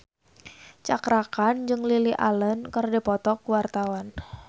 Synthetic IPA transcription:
t͡ʃakɾakand͡ʒɨŋliliʔa̰lənkərdipɔt̪ɔkwart̪awan

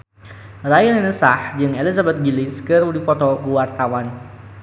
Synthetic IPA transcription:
rajanɛnəsahd͡ʒɨŋelizabɛt̪̚ɡilɪskəɾudipɔt̪ɔkuwart̪awan

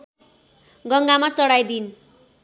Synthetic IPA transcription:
ɡʌŋɡamat͡sʌɽajd̪in

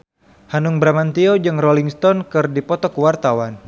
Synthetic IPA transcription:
hanuŋbɾamant̪iod͡ʒɨŋrɔliŋst̪ɔnkɨrdipɔt̪ɔkuwart̪awan

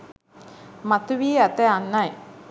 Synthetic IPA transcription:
mat̪uʋiːæt̪eanːaj

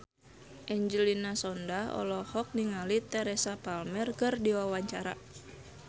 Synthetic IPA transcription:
ʔɛɲd͡ʒəlinasɔndaɔ̰lɔhɔk̚niŋalit̪ɛɾɛsapalmɛrkɨrdiwawaɲt͡ʃaɾa̰

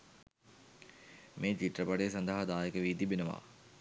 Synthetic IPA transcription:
meːt͡ʃiʈrəpaɖeːsand̪əɦad̪aːjekəʋiːt̪ibenəʋa̰ː

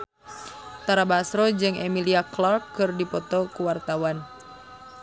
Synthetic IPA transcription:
t̪aɾabasɾɔd͡ʒɨŋʔɛmiliaklɔrkːɨrdipɔt̪ɔkuwart̪awan

